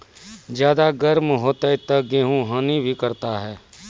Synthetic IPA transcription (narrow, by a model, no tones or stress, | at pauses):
d͡ʒjaːd̪aɡəɾmɦoːt̪at̪əɡeːɦũɦãːnibʱikəɾt̪aɦɛː